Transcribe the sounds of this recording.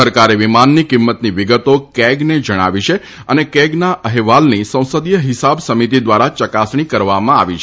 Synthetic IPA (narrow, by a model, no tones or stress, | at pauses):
əɾkaɾeʋimanːikimːət̪niʋiɡət̪okɛɡned͡ʒəɽ̃a̰ʋit͡ʃʰe | ənekɛɡnaʔəɦʋalnisə̃w̃səd̪jəɦɪsabsəmit̪id̪ʋaɾat͡ʃəkasɳ̃ikəɾʋamãaʋit͡ʃʰ